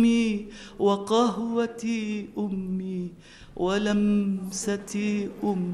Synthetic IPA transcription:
iː | wɑqɑɦwat̪iːʔʊmːiː | walamsat̪iʔʊmː

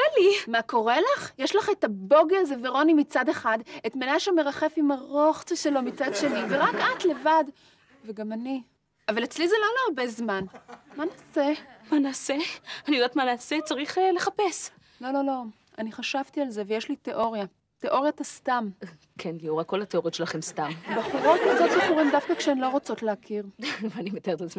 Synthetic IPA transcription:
alimako̞ʁelaχjeʃlaχetabo̞ɡelzeveʁo̞nimit͡sadeχadetmenaʃeme̞ʁaχe̞fimaʁo̞χt͡seʃelo̞mit͡sad̪ʃe̞niveʁakat̪le̞vad | veɡamani | avalet͡slizelo̞loaʁbe̞zmanmanaːsemanaːseanijd̪at̪manaːset͡saʁiχele̞χapes | lo̞lo̞lo̞ | aniχaʃavtialze̞vejeʃlit̪eʔo̞ʁja | t̪eʔo̞ʁjat̪ast̪am | kʰenliuʁako̞lhat̪eo̞ʁjotʃelaχemst̪ambaχuʁo̞t̪azot̪maχuʁimd̪afkakʃeemlo̞ʁot͡so̞tleakʰiʁveanimet̪eʁt̪at͡sm

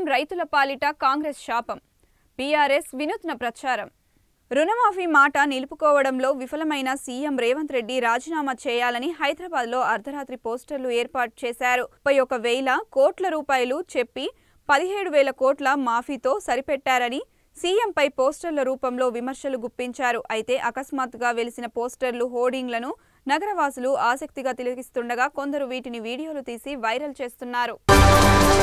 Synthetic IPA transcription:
mɾɐjt̪ulɐpaːliʈɐkaːŋɡɾesʃaːpɐm | piːaːɾesʋinut̪nɐpɾɐt͡ʃaːɾɐm | ɾunɐmaːpʰiːmaːʈɐnilupukɔːʋɐɽɐmlo̞ːʋifɐlɐmɐjnɐsiːemɾɛːʋɐnt̪ɾe̞ɖːiɾaːd͡ʒiːnaːmɐt͡ʃɛːjaːlɐniɦɐjd̪ɾɐːbaːd̪lo̞ːʔɐɾd̪ʱɐɾaːt̪ɾipoːsʈɐɾluɛːɾpaːʈ̚t͡ʃɛːsaːɾupɐjɔkɐʋɛːlɐkoːʈlɐɾuːpaːjɐlut͡ʃe̞pːi | pɐd̪iɦeːɽuʋɛːlɐkoːʈlɐmaːpʰiːt̪o̞ːsɐɾipɛʈːaːɾɐni | siːempɐjpoːsʈɐɾlɐɾuːpɐmlo̞ːʋimɐɾʂɐluɡupːiɲt͡ʃaːɾuʔɐjt̪e̞ːʔɐkɐsmaːt̪ɡaːʋe̞lisinɐpo̞ːsʈɐɾluɦoːɾɖiŋɡlɐnu | nɐɡɐɾɐʋaːsuluaːsɐk̚t̪iɡaːt̪ilɐɡist̪uɳɖɐɡaːko̞nd̪ɐɾuʋiːʈiniʋiːɽijo̞ːlut̪iːsiʋɐjɾɐlt͡ʃe̞ːst̪unːaːɾu

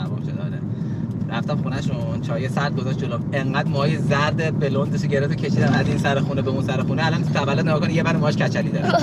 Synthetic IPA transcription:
æbɔ̰ʃed̪ɒ̰ːɾḛ | ɾæft̪æmxunæʃunt͡ʃʰɒːjesæɾd̪̚ɡozɒʃd͡ʒoloeŋɢæd̪mɒjezæɾd̪ebelond̪eʃ̬oɟe̞ɾeft̪ocʲʰeʃiːd̪æmæzinsæɾexuːnebeũnsæɾexuneælɒnt̪ʰævælːod̪neɒːkonijebæɾmɔhʃcʰæt͡ʃʰæliːd̪ɒɾi

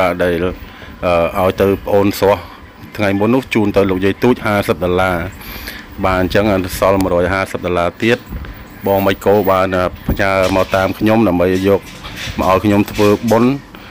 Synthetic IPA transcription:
aːɗaɛl | ʔəːʔaɔjt̪ɨwpə̆ʔoːnsŏəh | t̪ʰŋajmunːʊ̆əht͡ɕuːnt̪ɨwloːk̚jijt̪uːc̚haːsəp̚ɗolaː | ɓaːnɲt͡ɕəŋsɑlməɾɔːjɦaːsəp̚ɗolaːt̪iət̪̚ | ɓɑːŋməc̚koːɓaːnʔəːpʰəɲaəmaːt̪aːmkʰɲomɗaəmɓəjʔjɔːk̚mə̆ʔaɔjkʰɲomt̪ʰʋəːɓon

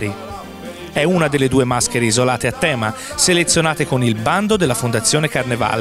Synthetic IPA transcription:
ɾi | ɛunad̪elːed̪uːemaskeɾeizolaːt̪eat̪ːɛːma | selet̪sːjonaːt̪ekonilband̪od̪elːafond̪at̪sːjoːnekarneva̰ːle

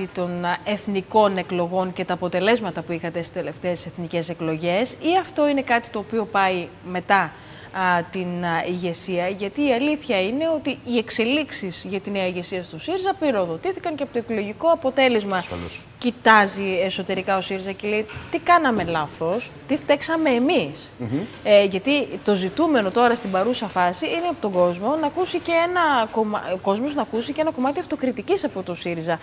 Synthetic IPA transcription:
it̪o̞ne̞θniko̞ne̞klo̞ɣo̞ŋce̞t̪ɐːpo̞t̪e̞le̞zmɐt̪ɐpuixɐt̪e̞si̥t̪e̞le̞ft̪e̞ːse̞θnice̞se̞klo̞ʝe̞siɐft̪o̞ine̞kɐt̪i̥t̪oːpio̞pɐime̞t̪ɐ | t̪iniʝe̞siɐʝɐt̪iːɐliθçɐine̞o̞t̪iːe̞kse̞liksisʝɐt̪ineɐiʝe̞siɐst̪osiɾzɐpiɾo̞ðo̞t̪iθikɐŋceɐpot̪oiklo̞ʝiko̞ɐpo̞t̪e̞le̞zmɐ | cit̪ɐzie̞so̞t̪e̞ɾikɐo̞siɾizɐceleit̪ikɐnɐme̞lɐθo̞st̪ift̪eksɐme̞ːmis | ʝɐt̪it̪o̞zit̪ume̞no̞t̪o̞ɾɐst̪ibɐɾusɐfɐsiineɐpo̞t̪oɡo̞zmo̞nɐkusiceenɐkom̰ko̞zmoznɐkusice̞nɐko̞mɐt̪iɐft̪o̞kɾit̪icisɐpo̞t̪o̞siɾizɐ

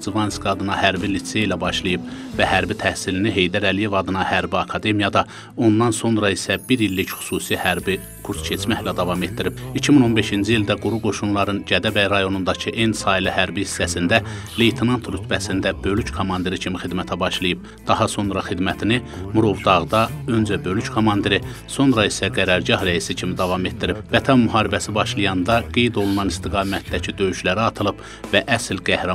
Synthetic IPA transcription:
zivɑnskɑd̪ɯnɑhæɾbilit̪sːeilæbɑʃlˠɯjɯbvæhæɾbit̪ʰæhsiliniɦe̞jd̪æɾælije̞vɑd̪ɯnɑhæɾbiɑkʰɑd̪e̞mijɑd̪ɑ | o̞nd̪ɑnso̞nɾɑisæbiɾilːicχy̥suːsihæɾbi | kʰuɾscʰe̞t͡ʃmæçlæd̪ɑvɑme̞t̪̚d̪iɾib̥icʰimino̞nbe̞ʃind͡ʒiild̪æɡuɾuɡo̞ʃunlˠɑɾɯnɟæd̪æbæjɾɑjo̞nund̪ɑcʰɯʔensɑːilihæɾbihisːæsind̪æ | lejt̪ʰenɑnt̪ɾyt̪ʰbæsind̪æbø̞lyckʰomɑnd̪iɾicʰimixid̪mæt̪ʰæbɑʃlˠɯjɯb̥̚ | d̪̥ɑɦɑso̞nɾɑxid̪mæt̪ʰini | muɾo̞vd̪ɑʁd̪ɑø̞nd͡ʒæbø̞lyckʰomɑnd̪eɾi | so̞nɾɑisæɡæɾɑɾɟɑhɾæisicʰimid̪ɑvɑme̞t̪̚d̪iɾibvæt̪ʰɑnmːyɦɑːɾibæsibɑʃlˠɯjɑnd̪ɑɡe̞jd̪o̞lˠunɑnist̪iɡɑːmæt̪̚d̪æcʰid̪ø̞jyʃlæɾiɑt̪ʰɯlˠɯb | væʔæslɡæhɾɑ

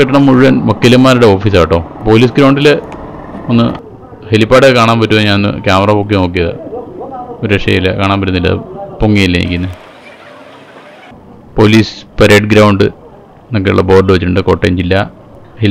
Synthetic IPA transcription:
kɐʈːɐɳɐmːuɻuʋɐnmokːilɐmːaːɾuɽeo̞ːfiːs̬aːʋiʈːoːpo̞ːliːsɡɾawɳɖilɨ | onːɨ̰ | helipːaːʈɨkaːɳaːnpɐtːumɨɲaːnnːɨ̰kjaːmɐrɐpok̬ːino̞ːk̬ːijɐðɨ̰ | oɾueʂɐ̰jilɐ̰kaːɳaːnmpɐt̬ːunːilːɐ̰poŋːijilːɐḭkʲːunːɐ | po̞ːliːspɐɾeːɖɡɾawɳɖɨ | nok̬ːejṵɭːɐbo̞ːrɖɨʋɐt͡ɕːiʈːuɳɖɨko̞ːʈːḛɲd͡ʑilːɐ | hel

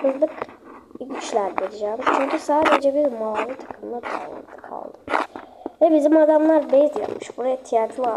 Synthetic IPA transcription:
hɯzlˠɯkicʲit͡ʃlʲæɾd̪eɾid͡ʒæːmt͡ʃʰyɲcʲʰysaːd̪ed͡ʒɛbiɾmaavɯt̪ʰḁkʰɯmɯnˠad̪aa̰lˠɯ̰kt̪ʰːɯ̥kʰa̰lˠd̪ɯ | vɛbizimad̪amlˠaɾbɛzja̰pmɯʃbuɾajat̪ʰijat̪ʰlˠa

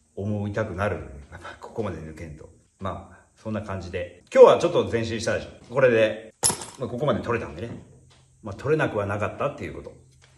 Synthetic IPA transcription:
omo̞it̪akɯ̟naɾɯ̟japːakʰo̥ko̞mad̪e̞nɯ̟kẽ̞nt̪o̞̰ | maː | sõ̞nːakãɲ̟d͡ʑid̪e̞kʲo̞ːβat͡ɕo̞t̪ːo̞zẽɕ̬ĩɕi̥t̪ad̪eɕoko̞ɾe̞d̪e̞mako̞ko̞mad̪e̞t̪o̞ɾe̞t̪ã̰nd̪ene | mat̪ʰo̞ɾe̞nakɯ̟βanakat̪ːat̪ːe̞jɯ̟̰ko̞t̪o̞

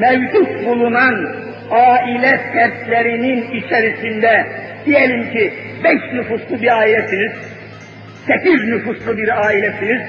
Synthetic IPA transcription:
mɛvd͡ʒut̪bulˠunan | aːilʲɛsʰæɾt̪lʲeɾininit͡ʃʰɛɾisind̪ɛd̪̥ijelʲimcʰibɛʃnyfuslˠɯbiɾaːilʲɛsiniz̥ | sʰɛpiznyfuslˠɯbiɾaːilʲɛsiniz̥

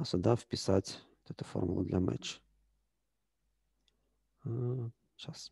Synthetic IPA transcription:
asʊd̪afpʲɪsat̪ʲ | t̪ɛt̪ʊfo̰rmʊlˠʊ̰d̪lʲamɛ̰t͡ʃ | a | t͡ʃas

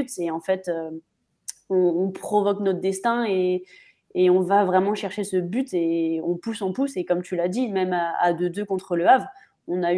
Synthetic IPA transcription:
yt̪eɑ̃fɛt̪ø | ɔ̃ːpχɔvɔknɔt̪χd̪ɛst̪ɛ̃eː | ɔ̃vavʁɛmɑ̃ʃɛʁʃesəbyt̪eɔ̃pusɑ̃pusekɔmt̪ylad̪imɛmaa̰d̪ød̪økɔ̃t̪χələav | ɔ̃na

